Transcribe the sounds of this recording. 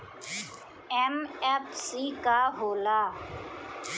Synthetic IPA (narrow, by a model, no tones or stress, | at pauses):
ɛmɛpʰsiːkaɦoːlaː